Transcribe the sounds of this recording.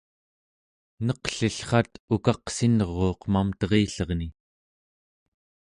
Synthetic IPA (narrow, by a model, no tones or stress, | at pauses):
nʌqɬiɬχɑt̪ukɑqsinʁo̞ːqmamt̪ʌʁiːɬʌʁni